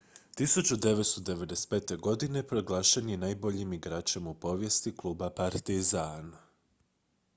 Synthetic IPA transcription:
t̪isut͡ɕud̪e̞ʋet̪st̪o̞d̪e̞ʋe̞d̪espeːt̪e̞ɡo̞d̪ine̞pɾo̞ɡlˠaːʃenjenaːjbo̞ʎimiɡɾaːt͡ʃe̞mupo̞ʋje̞st̪iklˠuːbapaɾt̪izan

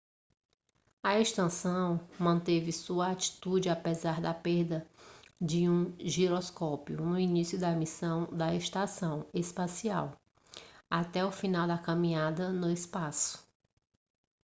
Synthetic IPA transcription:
ɐeʃt̪ɐ̃sɐ̃w̃mɐ̃nt̪evɪsuɐat͡ʃi̥t̪ud͡ʒɪapezaɾd̪ɐpeɾd̪ɐd͡ʒɪũʒiɾɔskɔpjʊnʊinisjʊd̪ɐmisɐ̃w̃d̪ɐeʃt̪asɐ̃w̃espasia̰w | at̪ɛʊfĩnawd̪ɐkɐ̃mĩɲad̪ɐnʊɪspasʊ̥

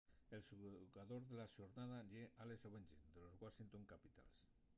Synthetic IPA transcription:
elsuɣaðoɾðelaʃoɾnað̞aʎeʔalesoβenʲd͡ʒḛd̪elozɣwasint̪oŋkapit̪a̰ls

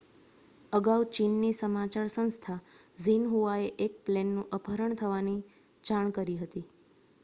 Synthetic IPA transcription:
əɡaut͡ʃinːisəmat͡ʃaɾsə̃st̪ʰazinɦuaeʔek̚plenːũʔəpʰəɾəɳt̪ʰəʋani | d͡ʒaɳ̃kəɾiɦət̪i

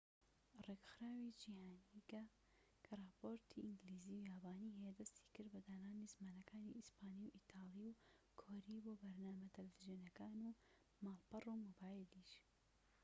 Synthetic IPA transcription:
reɡxɾaːwid͡ʒiːhaːniɡɐ | kʰɐrˤɑːpoːɾt̪ʰiʔɪŋɡliːziːujaːbaːniːɦejɛd̪ɐst̪ʰi̥kɨɾd̪bɐd̪aːnaːnizmaːnɐkʰaːniispʰaːniwʔit̪ʰaːliwkʰoːɾiːboːbɐɾnaːmɐt̪ʰɐlvizjoːnɐkaːnu | maːlpɐruːmoːbaːjiliʃ

